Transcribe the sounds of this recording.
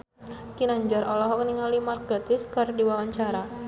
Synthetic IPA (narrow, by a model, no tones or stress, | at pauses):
kinaɲd͡ʒɔɾɔlɔɦɔkniŋalimarɡat̪ɪskɨrdiwawaɲt͡ʃaɾa